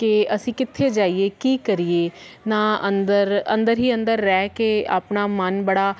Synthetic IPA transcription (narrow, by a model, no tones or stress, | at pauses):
kɪəsĩːkɪt̪ʰːeːd͡ʒaːieːkiːkəɾiːeː | nãːənd̪əɾə̰̃nd̪əɾɦiːənd̪əɾːɛːkea̰ːpnaːmənbəɽaː